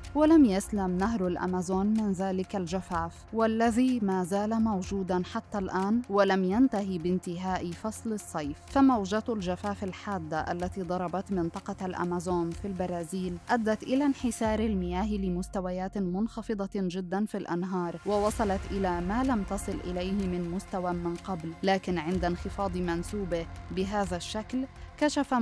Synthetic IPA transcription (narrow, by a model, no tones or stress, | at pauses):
walamjaslamnaɦɾalʔa̰mazoːnmɪnðaːlɪkald͡ʒafaːfwalːaðiːmaːzaːlamawd͡ʒuːd̪anħat̪ːalʔaːnwalamjant̪aɦibɪnt̪ɪɦaːʔɪfɑsˤlɨsˤːɑjffamawʒat̪ld͡ʒafaːfalħaːd̪ːaʔa̰lːat̪iːd̪ˤɑɾˤɑbɑt̪mɪnt̪ˤɑqɑlʔa̰mazoːnfilbɑɾˤɑːziːlʔad̪ːat̪ʔɪlanħɪsɑːɾˤalmɪjaːɦlɪmʊst̪awajaːt̪mʊnxɑfɨd̪ˤɑd͡ʒɪd̪ːanfilʔa̰nɦɑːɾˤwɑwɑsˤɑlɑt̪ʔɪlamaːlamt̪ɑsˤɨlʔɪlajhɪmɪnmʊst̪awamɪnqɑblːaːkɪnʕɪnd̪anxɪfɑːd̪ˤmansuːbɪbɪɦaːðaʃːaklkaʃafa